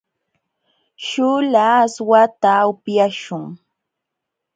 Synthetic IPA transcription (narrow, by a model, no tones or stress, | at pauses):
ʃʊlaːswat̪aʊpjaʃʊŋ